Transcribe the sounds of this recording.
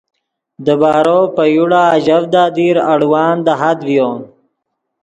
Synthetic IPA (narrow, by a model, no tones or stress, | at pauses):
d̪əbɑːɾoːpəjuɽaːʒavd̪ɑːd̪iɾaɽwɑːnd̪əɦad̪wjoːn